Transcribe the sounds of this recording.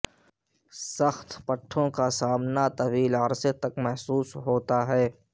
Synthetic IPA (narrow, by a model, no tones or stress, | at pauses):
səxt̪pəʈʰːõkasaːmnat̪ɐwiːləɾset̪ɐkmɛɦsuːsɦoːt̪aɦɛː